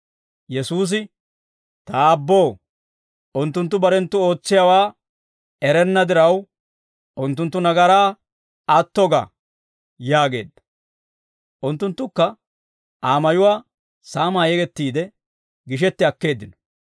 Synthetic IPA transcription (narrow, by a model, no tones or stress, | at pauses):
jɛsuːs̬ɪ | t̪ɐːbːow | ʔʊnt̪ːʊnt̪ːʊbɐɾɛnt̪ːʊo̞ːt͡sːɪjawaː | ɛɾɛnːɐd̪ɪɾɐw | ʔʊnt̪ːʊnt̪ːʊnɐɡɐɾaː | ɐt̪ːɔɡɐ̰ | jaːɡe̞̰ːd̪ɐ̥ | ʔʊnt̪ːʊnt̪ːʊkːɐ | ʔaːmɐjʊwaː | saːmaːjɛɡɛt̪ːiːd̪ɛ | ɡɪʃ̬ɛt̪ːɪɐkːe̞ːd̪ːɪnɔ̥